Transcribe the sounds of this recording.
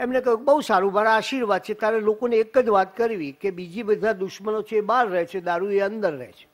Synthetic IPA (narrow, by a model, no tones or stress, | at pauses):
emnekəjũkebəɦusaɾũmaɾaaʃiɾʋad̪̚t͡ʃʰet̪jaɾelokoneːkəd͡ʒʋat̪kəɾʋikebid͡ʒibəd̪ʱad̪ʊʃmənot͡ʃʰeːbaɾːəɦet͡ʃʰed̪aɾueənd̪əɾːə̰ɦet͡ʃʰe̥